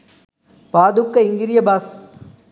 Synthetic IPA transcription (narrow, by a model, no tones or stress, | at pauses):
paːd̪ukːɐɪŋɡɪɾɪjɐbaːs